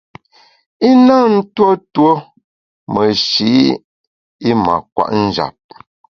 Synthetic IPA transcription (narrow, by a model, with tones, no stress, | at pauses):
i˦na˦˨n̩˦two˦two˦ | mə˨ʃi˨˦ | i˦ma̰˨kwa̰˨ʔn̩˦d͡ʒa̰˨p̚